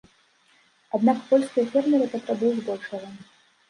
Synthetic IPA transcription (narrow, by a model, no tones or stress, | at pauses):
ad̪nakpɔlʲskɐjɐfʲɛrmʲiɣɛt̪ɐt̪ɾabujzb̪ɔwʂɐɣɐ